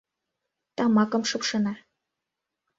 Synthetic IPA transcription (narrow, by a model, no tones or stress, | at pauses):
t̪ɑmɑkɤ̆mʃɤ̆pʃɤ̆nɑ